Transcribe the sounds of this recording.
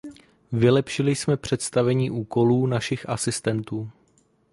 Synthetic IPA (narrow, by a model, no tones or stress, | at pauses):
vɪlɛpʃɪlɪsmɛpr̝̥ɛt̪st̪avɛɲiːʔuːko̞luːnaʃɪxʔasɪst̪ɛnt̪uː